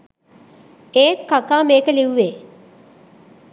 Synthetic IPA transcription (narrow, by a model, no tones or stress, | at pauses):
eːtːakaːmeːkəliʋʋe